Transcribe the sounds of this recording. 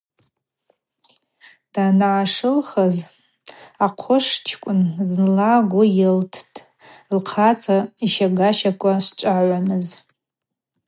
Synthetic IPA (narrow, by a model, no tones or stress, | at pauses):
d̥anʕaʂɨlχaz | aqʷʰʊʂt͡ʃʰkʷʼʊnznlaɡʷʊjɪltʰtʰʼ | lqʰat͡sʰʼaiʃaɡaʃakʷʼaʃʷt͡ʃʷʼaʕʷamɨz